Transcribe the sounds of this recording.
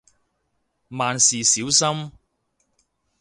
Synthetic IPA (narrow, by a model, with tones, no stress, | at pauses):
maː˨nsiː˨siː˨˥wsɐ˥m